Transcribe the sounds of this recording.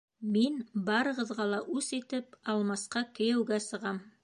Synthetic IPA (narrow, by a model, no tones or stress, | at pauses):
minbɑɾɤ̆ʁɤ̆ðʁɑlˠɑʔʉsit̪ɘpɑlˠmɑsqɑkɘ̆jɘ̆wɡæsɤ̆ʁɑm